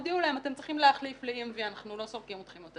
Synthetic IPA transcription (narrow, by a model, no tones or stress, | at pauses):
d̪iulahemat̪e̞mt͡sʁiχimleaχlifleimvianaχnulo̞soʁkimot̪χimot̪a